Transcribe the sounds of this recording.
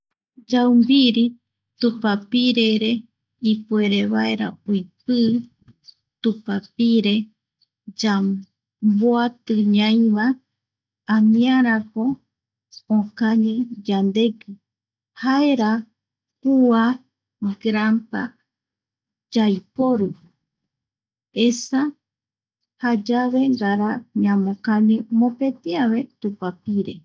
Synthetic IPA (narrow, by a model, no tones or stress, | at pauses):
d͡ʒawmbiɾi | t̪ũpapiɾeɾe | ipueɾeβaeɾa̰ojpɨ | t̪upapiɾe | d͡ʒa | boat̪ɨɲãĩβa | amĩãɾakõː | kaɲĩd͡ʒand̪e̞ɡɨ | haeɾa | pua | ɡɾampa | d͡ʒajpoɾɨ | esa | had͡ʒaβe̞ŋɡaɾaɲãmõkaɲĩmõpet̪iaβe̞t̪upapiɾḛ